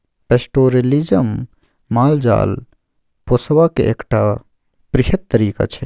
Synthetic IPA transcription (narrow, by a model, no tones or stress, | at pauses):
pesʈoːɾelizəmː | aːld͡ʒa̰ːl | posʋakḛeːkʈa | pɾɪɦət̪ːəɾiːka̰t͡ʃʰe